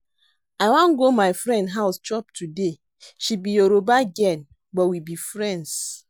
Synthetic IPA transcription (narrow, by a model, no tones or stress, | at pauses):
awãnɡomaɪfɹɛ̃ndɦaʊst͡ʃɔptʰude | ʃibioɾobaɡɛn | bɔwibifɹɛ̃nds